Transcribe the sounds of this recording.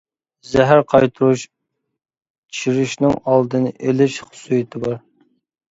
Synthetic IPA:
zɛɦæɾqʰɑjt̪ʰuɾuʃ | iɾyʃnɪŋɑlˠd̪ɨnɨʔelɪʃχʊ̥sujit̪ʰɨbɑɾ

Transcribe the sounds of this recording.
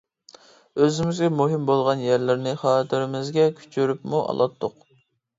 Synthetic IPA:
øzɪmɪzɡʲɛmuɦɪmbolˠʁɑnjæɾlɪɾnɪχɑːt̪ʰɪɾɪmɪzɡʲɛkʲʰy̥t͡ʃʰyɾypmuʔɑ̰lˠɑt̪ʰːoq

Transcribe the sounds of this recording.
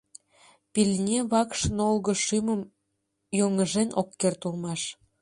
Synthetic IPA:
pilʲnʲeβɑkʃnolɣə̆ʃyməm | joŋəʒenʔokːert̪ulmɑʃ

